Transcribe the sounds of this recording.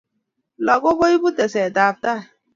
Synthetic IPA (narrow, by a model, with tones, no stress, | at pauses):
lɔ˨ɡo˦bo˦i˦bu˦tɛ˨sɛ˨ta˨p̚ta˦˨